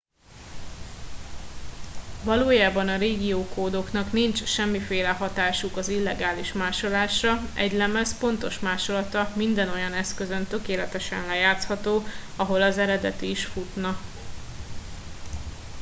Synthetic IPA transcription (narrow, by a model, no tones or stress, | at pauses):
vɒloːjaːbɒnɒɾeːɡijoːkoːd̪o̞knɒknint͡ʃʃɛmːifeːlɛɦɒt̪aːʃukɒzilːɛɡaːliʃmaːʃo̞laːʃrɒɛ̰ɟlɛmɛspo̞nt̪o̞ʃmaːʃo̞lɒt̪ɒmind̪ɛno̞jɒnɛskøzønt̪ø̞keːlɛt̪ɛʃɛ̰nlɛjaːt̪shɒt̪oːɒɦo̞lɒzɛɾɛd̪ɛt̪iːʃfut̪nɒ